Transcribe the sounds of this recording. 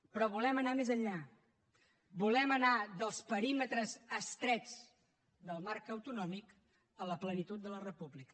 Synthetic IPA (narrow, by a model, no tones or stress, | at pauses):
pɾɔβulɛmənamezəɲʎa | bulɛmənaðəlˠspəɾimət̪ɾəzəst̪ɾɛd͡z | ðəlˠmaɾkəwt̪unɔmik | ələplənit̪ut̪̚d̪ələrəpublikə